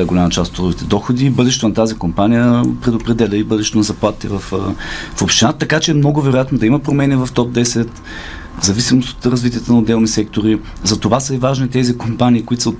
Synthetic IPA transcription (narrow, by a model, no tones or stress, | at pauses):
ɛɡolʲamɐt͡ʃast̪ot̪ɾuɡʊvit̪ɛd̪ɔxod̪iːbɤd̪ɛʃɛt̪onɐt̪azikompanijəpɾɛd̪opɾɛd̪ɛlʲəibɤd̪ɛʃɛt̪onɐzɐplˠat̪t̪ḭvɐffopʃt̪ɛnat̪ɐkat͡ʃɛːmnɔɡʊvɛɾʊjat̪nod̪ɐimɐpɾomɛnivɐft̪ɔp̚d̪ɛsɛt̪ | zɐvisimoso̥t̪ɾɐzvit̪̬ʲijət̪ənɐod̪ɛlˠnisɛk̚t̪oɾi | zɐt̪ovasəivaʒnit̪ɛzikompaniːkʊit̪o̥sot̪